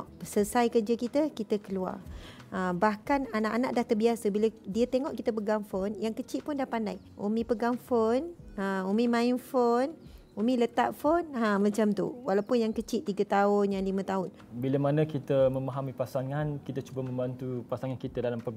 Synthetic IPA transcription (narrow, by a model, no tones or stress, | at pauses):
ʔsəsajkərd͡ʒakit̪əkit̪əkəlua̰r | əbahkananaʔanaʔdaht̪ərbiasəbiladiət̪eŋɔʔkit̪əpəɡaŋfonjaŋkət͡ʃɪʔ̪̚pʊndahpandaj | ʔo̰mĩpəɡaŋfonəomĩmãinfon | omĩlət̪a̰ʔ̚fonãmə̃t͡ʃamt̪ṵwalawpʊnjaŋkət͡ʃɪʔt̪ːiɡət̪aʊnjaŋlimə̃t̪aʊn | bilamanə̃kit̪əmə̃maɦamipasaŋankit̪at͡ʃubamə̃mbant̪upasaŋankit̪ədalampə